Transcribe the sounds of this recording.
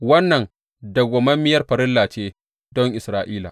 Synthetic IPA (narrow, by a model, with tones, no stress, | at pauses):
wɐ˦nːɐ˨ŋ | dɐ˨ɡʷɔ˨mɐ˦mːɪ˦jɐ˦rɸɐ˨ɾɪ˦lːaː˨t͡ʃeː˦ | dɔ˦ŋʔɪ˨sɾaː˨ʔiː˦la̰ː˨